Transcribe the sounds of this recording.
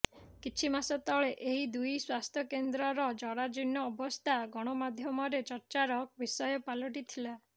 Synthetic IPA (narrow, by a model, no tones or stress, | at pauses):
kit͡ʃʰimasɔt̪ɔɭeʔeɦid̪ujswast̪ʰjɔkend̪ɾɔɾɔd͡ʒɔɽad͡ʒinːɔːbɔst̪ʰaɡɔɽ̃ɔmad̪ʱjɔmɔɾet͡ʃɔɾt͡ʃaɾɔk̚bisɔjɔpalɔʈ̬it̪ʰila